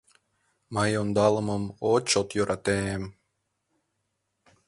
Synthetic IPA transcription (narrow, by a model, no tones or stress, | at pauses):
mɑjond̪ɑlˠɤ̆mɤmot͡ɕot̪joɾʔɑt̪em